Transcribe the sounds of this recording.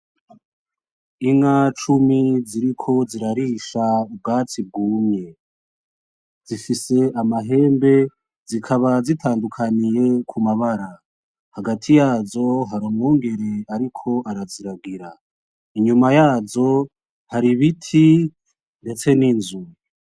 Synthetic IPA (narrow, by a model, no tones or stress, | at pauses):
iŋat͡ʃumiziɾikʰo̞ziɾaɾiːʃaub̚ɡaːt͡sib̚ɡuːmɲe̞ | z̥ifise̞ʔamaɦe̞ːmbe̞ | zikʰaβazitʰaːndukʰanije̞kʰumaβaɾa | haɡatʰijaːzo̞ɦaɾomŋoːŋɡe̞ɾe̞aɾikʰo̞ʔaɾaziɾaɡiɾa | iɲumajaːzo̞ | haɾiβitʰi | nde̞t͡se̞ninzu